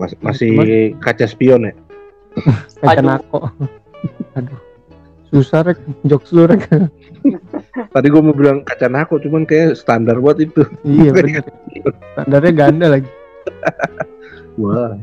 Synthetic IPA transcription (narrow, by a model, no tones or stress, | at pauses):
masɪhkat͡ʃaspiɔna | kat͡ʃanak̚ɔʔ | adu | susaɾɛk̚d͡ʒɔk̚sluɾɛk | t̪adiɡuaməbilaŋkat͡ʃanakɔʔt͡ʃumankajasə̥t̪andarbuat̪it̪uijabənarast̪andarɲaɡandalaɡi | wa